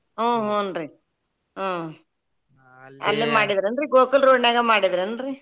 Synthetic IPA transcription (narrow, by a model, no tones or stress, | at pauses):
ɦõːɦõːɐnɾi | oː | ɐ̰lːimaːɽid̪ɾɐnɖɾiɡoːkɐlɾoːɖnaːɡɐmaːɽid̪ɐɾɐnɾi